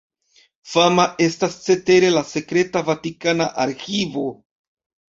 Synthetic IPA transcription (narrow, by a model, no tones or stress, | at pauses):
famaʔe̞stast͡se̞te̞ɾe̞lase̞kɾe̞tavatikanaʔaɾxivo̞